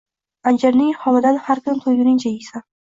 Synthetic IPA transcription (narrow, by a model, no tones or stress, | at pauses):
and͡ʒaɾnɪŋhɒmɪd̪anhaɾkʰʊnt̪ʰojɡɪnɪŋt͡ʃʰajɪsa